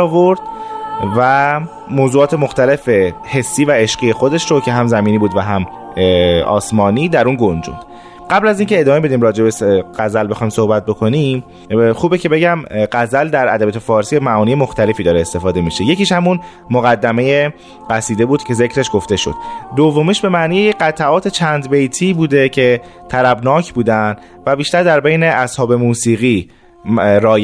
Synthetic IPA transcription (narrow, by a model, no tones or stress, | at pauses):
ɔːvo̞ɾd̪̥̚væ | moːzuːɒːt̪ʰe̞moxt̪æle̞fe̞he̞sːiːvæeʃɢijexo̞d̪e̞ʃɾo̞cʰe̞ɦæmzæmiːniːbuːd̪væɦæm | ɒ̰ːsmɒːniːd̪æɾunɡond͡ʒṵnd̪̥ | ɢæblæziːŋcʰe̞ed̪ɒːmebe̞d̪iːmɾɒːd͡ʒe̞beɢ̥æzælbe̞xɒjmso̞hbæt̪̚bo̞kʰo̞nim | xuːbecʰe̞be̞ɟæmɢæzæld̪æɾæ̰d̪æbijɔːt̪ʰfɒːɾsiːmæʔɒːniːjemo̞xt̪æle̞fiːd̪ɒːɾeːst̪e̞fɒːd̪e̞miːʃe̞je̞ciːʃhæmun | moɣæd̪ːæme̞je | ɢæsiːd̪e̞buːd̪̥cʰe̞ze̞cʰɾe̞ʃɡo̞ft̪e̞ʃo̞̰d̪d̪ovːomiːʃbe̞mæniːjejeɢæt̪ʰæʔɒːt̪ʰet͡ʃʰænd̪be̞jt̪ʰiːbuːd̪e̞cʰe̞ | t̪ʰæɾæbnɒːcʰbuːd̪ænd̪ | væbiːʃt̪æɾd̪æɾbejne̞ʔæshɒːbe̞muːsiːɣi | ɾɒːj